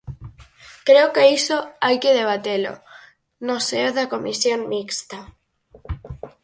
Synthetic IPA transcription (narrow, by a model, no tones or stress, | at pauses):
kɾeokeisoajkeð̞eβ̞at̪elo̰ | noseoðako̞misjonmikst̪a